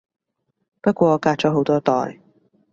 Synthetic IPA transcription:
pɐ˥kʷɔː˧ɔː˨˧kaː˧t̚t͡ʃɔː˨˥ɦo˨˥wt̪ɔː˥t̪ɔ̰ː˨j

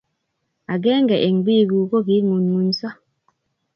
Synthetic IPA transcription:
a˨ɡɛ˦ŋɡɛ˨ʔe˨ŋɡ͡bi˦˨ɡu˨ko˦ɡi˨˦ŋu˨nŋu˨nsa˦

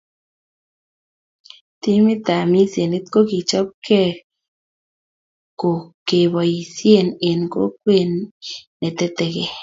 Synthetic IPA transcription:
t̪i˦mi˦t̪a˨mi˦se˨ni˦t̪̚ko˦ki˨t͡ʃɔ˦p̚kʰɛ˦ | ko˨ke˨bɔ˨ji˨sje˨ne˨nko̰˦k̚we˦˨nː | ɛ˨t̪e˦t̪e˨ke˨

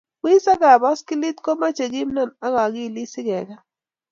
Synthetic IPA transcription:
k͡pi˦sa˦ɡa˨ba˦ski˦li˦tkɔ˦ma˦t͡ʃe˨ɡi˦m˦nɔ˦˨na˦ɣa˨ɡi˦˨li˦sɪ˦ɡɛ˨ɡa˦

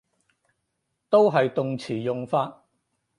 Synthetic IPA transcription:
t̪o˥wɦɐ˨jt̪ʊ˨ŋt͡sʰiː˨˩jʊ˨ŋfaː˧t̚

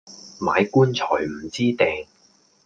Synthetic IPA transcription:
ma̰ː˨˧jkuː˥nt͡sʰɔː˨˩jm̩˨˩t͡siː˥t̪ɛː˨ŋ

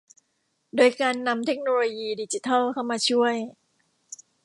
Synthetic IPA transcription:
doː˧jkaː˧nːa˧mt̪ʰe˦˥k̚noː˧loː˧jiː˧diː˧t͡ɕi˧t̪ʰa˥˩lkʰa˥˩wmaː˧t͡ɕʰu˥˩əj

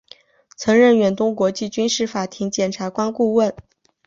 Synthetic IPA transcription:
t͡sʰɤ˧˥ŋɻə˥˩nɥɛ˨˩nt̪ʊ˥ŋkwɔ˧˥t͡ɕi˥˩t͡ɕy˥nʂɻ̩˥˩fa˨˩t̪ʰi˧˥ŋt͡ɕjɛ˨˩nʈ͡ʂʰa˧˥kwa˥nku˥˧wə˥˩n

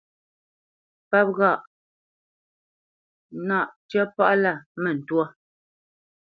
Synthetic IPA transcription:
pa˦p̚ɣa˦˨ʔ | na˦˨ʔtjɛ˦pa˦ʔla˦˨mɛ˨n̩˨twɔ˦

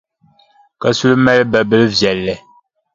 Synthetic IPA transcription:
ka˦su˦lmɛ˦lbɛ˨bə˦lvjɛ˨lːɛ˨

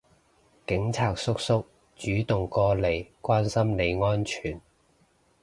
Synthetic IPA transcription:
kɪ˨˥ŋt͡sʰaː˨k̚sʊ˥k̚sʊ˥k̚ | t͡ʃyː˨˥t̪ʊ˨ŋkɔː˧le˨˩jkwaː˥nsɐ˥mle˨˧jŋɔː˥nt͡ʃʰyː˨˩n

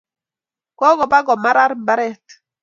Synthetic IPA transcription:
kɔ˦ɡɔ˨ba˦ɡɔ˨ma˦ɾa˦ɾba˦ɾɛ˦t

